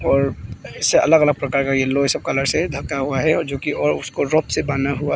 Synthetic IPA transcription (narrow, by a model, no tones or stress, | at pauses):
ɔːɾɪsːeɐ̰ləɡələɡ̚pɾɐkaːɾkajelosəb̚kaləɽsed̪ʱɐkːaɦuaɦɛɔːɾd͡ʒoːkiɔːɾʊskoɾoːpsebaːnaɦua